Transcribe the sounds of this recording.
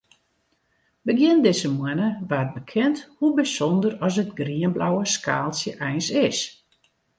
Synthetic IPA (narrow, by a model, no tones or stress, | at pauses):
bəɡjɪndɪsəmwɛnəʋat̚bəkʰɛnthubisɔndərɔs̬ətɡriənblawəskʰaːlˠsjəʔɛjnsɪs